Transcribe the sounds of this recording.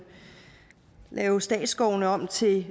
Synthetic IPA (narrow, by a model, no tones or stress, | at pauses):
lɛːʊsd̥ɛ̰ːd̥sɡ̥ɒʊnəɒ̽m̰t͡sʰe̝